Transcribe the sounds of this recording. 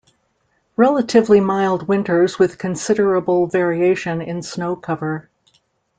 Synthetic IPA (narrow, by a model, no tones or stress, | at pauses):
ɹɛlˠəɾɨvlimaɪlˠd̚wɪ̃ntə˞zwɨð̥kʰɨ̃nsɪɾə˞əbl̩ˠvɛɹieɪʃɨ̃nɪ̃nsnoʊkʰʌvə˞